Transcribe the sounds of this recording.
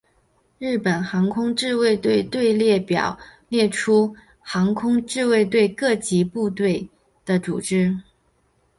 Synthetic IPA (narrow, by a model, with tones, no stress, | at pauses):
ɻɻ̩˥˩pə˨˩nxɑ˧˥ŋkʰʊ˥ŋʈ͡ʂɻ̩˥˧we˥˧ɪt̪we˥˧ɪt̪we˥˧ɪljɛ˥˩pjɑ̰˨˩ʊljɛ˥˩ʈ͡ʂʰu˥ | xɑ˧˥ŋkʰʊ˥ŋʈ͡ʂɻ̩˥˧we˥˧ɪt̪̬we˥˧ɪkɤ˥˩t͡ɕi˧˥pu˥˧t̪we˥˩ɪ | d̪̥ə˨ʈ͡ʂṵ˨˩ʈ͡ʂɻ̩˥